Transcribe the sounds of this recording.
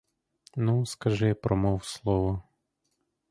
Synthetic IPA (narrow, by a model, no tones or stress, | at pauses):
nuskɐʒɛpɾʔɔmɔwslˠɔʋɔ